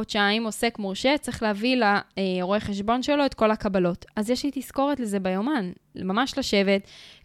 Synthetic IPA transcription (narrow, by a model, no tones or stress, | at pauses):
t͡ʃeaimo̞se̞kmuʁʃet͡sʁeχleavilaeoʁoeχeʃbo̞nʃe̞lo̞etko̞lakabalo̞tazjɛʃlitisko̞ʁetleze̞bajomanmamaʃlaʃe̞ve̞t